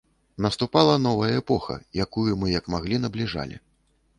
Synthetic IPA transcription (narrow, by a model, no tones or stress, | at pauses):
nɐst̪upalˠɐn̪ɔvɐjɐɛpɔxɐ̰jakujumɨjɐkmaɣlʲinɐblʲiʐa̰lʲḭ